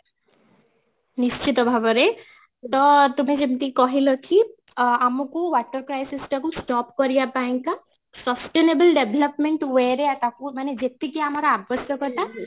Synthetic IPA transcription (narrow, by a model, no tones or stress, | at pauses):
nist͡ʃit̪ɔbʱabɔɾe | t̪ɔt̪umẽd͡ʒimt̪ikɔɦilɔki | amɔkuʋaʈəɾkɾajsisʈakusʈɔpkɔɾijapaẽŋka | sɔsʈenebəlɖebʱelɔpmeɳʈweɾeat̪akumaned͡ʒet̪ikiamaɾaabʱʋəsjɔkɔt̪a